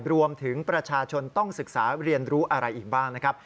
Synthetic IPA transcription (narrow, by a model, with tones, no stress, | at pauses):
ɾu˧əmt̪ʰɯ˩˦ŋpɾa˧t͡ɕʰaː˧t͡ɕʰo˧nt̪ɔ˥˩ŋsɯ˨˩k̚saː˩˦ɾi˧ənɾuː˦˥ʔa˧ɾa˧jʔiː˨˩k̚baː˥˩ŋna˦˥kʰa˦˥p̚